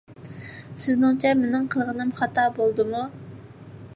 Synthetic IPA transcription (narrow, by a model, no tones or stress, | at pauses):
sɪznɪŋt͡ʃʰɛmɪnɪŋqʰəlˠʁənɨmχɑt̪ʰɑbolˠd̪ɨmu